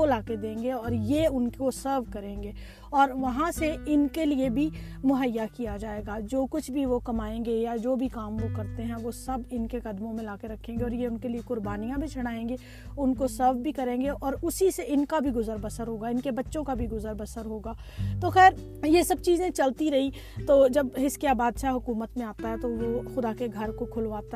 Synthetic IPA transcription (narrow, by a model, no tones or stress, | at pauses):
olaːked̪ẽːŋɡeɔːɾjeʊnkosəɾʋkɐɾẽːŋɡeː | ɔːɾʋɐɦãseɪnkeliebʱi | mʊɦəjːakijad͡ʒaːeːɡaːd͡ʒoːkʊt͡ʃʰbʱiʋokɐmaːẽːŋɡejad͡ʒoːbʱikaːmʋokɐɾt̪eɦɛ̃ʋosɐbɪnkekɐd̪mõmẽlaːkeɾɐkʰːẽːŋɡeɔːɾjeʊnkeliekʊɾbaːnijãbʱit͡ʃʰɐɽ̃aːẽːŋɡe | ʊnkosɐbbʱikɐɾẽːŋɡeʔɔːɾʊsiseɪnkabʱiɡʊzəɾbəsəɾɦoːɡaɪnkebɐtːʃõkabʱiɡʊzəɾbəsəɾɦoːɡaː | t̪oxɛːɾ | jesɐb̚t͡ʃiːzẽt͡ʃɐlt̪iɾɐɦi | t̪oːd͡ʒɐbɦɪskjabaːd̪ʃaɦʊkuːmət̪mẽaːt̪aɦɛt̪oʋoxʊd̪akeɡʱɐɾkokʰʊlʋaːt̪a